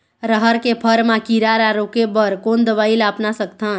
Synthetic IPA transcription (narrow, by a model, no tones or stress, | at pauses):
ɾəɦəɾkepʰəɾmãkiɾaɾaɾokebəɾkond̪əʋailəːpnasəkt̪ʰən